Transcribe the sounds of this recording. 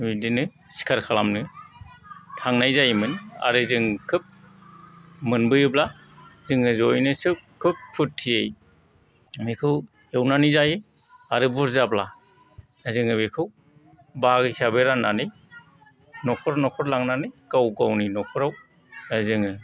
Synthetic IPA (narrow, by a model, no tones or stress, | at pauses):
midinɯ | si̥kʰaɾkʰalamnɯ | tʰaŋnajzajmɯna̰ɾɯzɯŋkʰɯp̚ | mɯnbɯjɯbla | zɯŋɯzojnɯsɯkʰɯp̚pʰut̚tʰːijḛj | mekʰɯw | hewnanizajɯ | aɾɯbuɾzabla | azɯŋɯmekʰɯw | baɡisabeɾanːanɯj | nɔkʰɔɾnɔkʰɔɾlaŋnanɯjkawɡawninɔkʰɔɾaw | azɯŋɯ